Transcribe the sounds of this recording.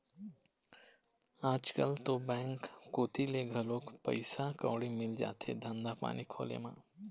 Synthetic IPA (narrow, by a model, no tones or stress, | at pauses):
aːd͡ʒkəlt̪obɛ̃ːŋkːoːt̪ʰileɡʱəloːkpə̰ɪsakɔːɽimɪld͡ʒa̰ːt̪ḛd̪ʱə̃nd̪apa̰ːnikʰo̰ːlḛmã̰ː